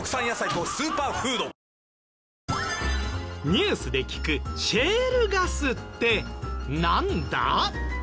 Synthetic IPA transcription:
kɯ̥sãɰ̃jasait̪osɨːpaːɸɯ̟ːd̪o | ɲ̟ɨːsɨd̪e̞kʲi̥kɯ̟ɕe̞ːɾɯ̟ɡasɨt̪ːe̞nãnd̪a̰

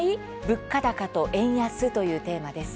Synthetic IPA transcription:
i | bɯ̟kːad̪akat̪o̞ʔẽ̞ɰ̃jasɨt̪o̞jɯ̟ːt̪e̞ːmad̪e̞sɨ̥

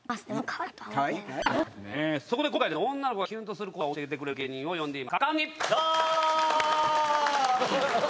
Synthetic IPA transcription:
masɨd̪emokʰaβat̪oi | soko̞d̪ek̬okaid̪eoõ̞nːanokoɡaçʲɯ̃nt̪o̞sɨɾɯ̟koaoɕɡet̪̬e̞kɯ̟ɾeɾɯɡe̞ːɲ̟ĩɰ̃o̞jõ̞nd̪e̞imakakãɲːijo

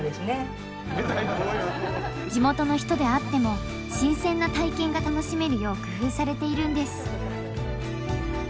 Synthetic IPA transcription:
d̪esɨne | d͡ʑimo̞t̪o̞no̞çi̥t̪o̞d̪e̞at̪ːe̞mo̞ | ɕĩɰ̃sẽ̞nːat̪aikẽ̞ŋɡat̪ano̞ɕime̞ɾɯ̟jo̞ːkɯ̟ɸɯ̟ːsaɾe̞t̪e̞iɾɯ̟̃nd̪e̞sɨ̥

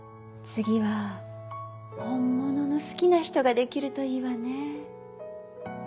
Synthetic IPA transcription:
t͡sɨɡʲiβa | hõ̞mːo̞no̞no̞sɨ̥kʲinaçi̥t̪o̞ɡad̪e̞kʲiɾɯ̟t̪o̞iːβane

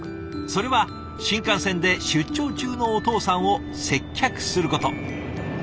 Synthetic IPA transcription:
so̞ɾe̞βa | ɕĩŋkãɰ̃sẽ̞nd̪e̞ɕɨt͡ɕːo̞ːt͡ɕɨːno̞ːt̪o̞ːsãɰ̃o̞ | se̞kʲːakɯ̟̥sɨɾɯ̟ko̞t̪o̞̰

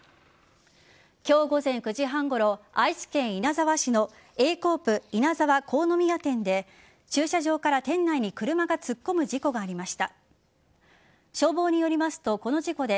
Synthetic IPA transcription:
kʲo̞ːɡo̞zẽ̞ŋkɯ̟ʑiɦãŋɡo̞ɾo̞aisi̥kẽ̞ɰ̃inazaβaɕino̞ | e̞ːko̞ːpɯ̟inazaβako̞ːno̞mʲijat̪ẽ̞nd̪e̞ | t͡ɕɨːɕaʑo̞ːkaɾat̪ẽ̞nːaiɲ̟ikɯ̟ɾɯ̟maɡat͡sɨkːo̞mɯ̟d͡ʑiko̞ɡaːɾʲimaɕi̥t̪a | ɕo̞ːbo̞ːɲ̟ijo̞ɾʲimasɨ̥t̪o̞ko̞no̞ʑiko̞d̪e̞

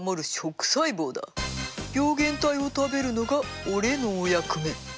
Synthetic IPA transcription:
moɾɯ̟ɕo̞kɯ̟̥saiboːd̪a̰b̥ʲjo̞ːɡẽ̞nt̪aio̞t̪abe̞ɾɯno̞ɡa | oɾe̞noːjakɯ̟me̞

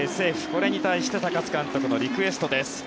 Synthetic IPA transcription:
ese̞ːɸɯ̟̥ko̞ɾe̞ɲ̟it̪aiɕi̥t̪et̪akat͡sɨ̥kãnt̪o̞kɯ̟no̞ɾʲikɯ̟e̞sɨ̥t̪o̞d̪e̞sɨ̥

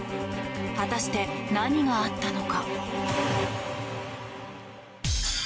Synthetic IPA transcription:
hat̪aɕi̥t̪e̞naɲ̟iɡaːt̪ːano̞ka

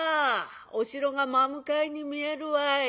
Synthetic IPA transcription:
osiɾoŋamamukajnimiaɾua

